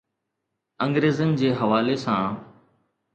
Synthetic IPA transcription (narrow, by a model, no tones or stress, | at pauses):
ə̃ŋɡɾeːzənd͡ʑeːɦəʋaːlesãː